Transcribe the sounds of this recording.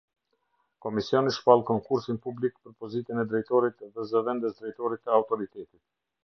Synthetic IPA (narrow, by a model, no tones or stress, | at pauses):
kɔmisiɔniʃpalˠkɔŋkuɾsinpublikpəɾpɔzit̪ənɛd̪ɾɛjt̪ɔɾit̪ðɛzəvɛnd̪ɛsd̪ɾɛjt̪ɔɾit̪ːəawt̪ɔɾit̪ɛt̪i̥t̪̚